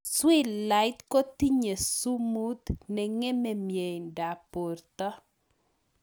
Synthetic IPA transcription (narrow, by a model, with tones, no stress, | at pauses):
swɪ˦lla˨ɪt̪kɔ˦t̪i˦ɲe˨su˦mu˦t̪nɛ˨ŋɛ˦mɛ˨mje˨jnda˨po˨rt̪ɔ˦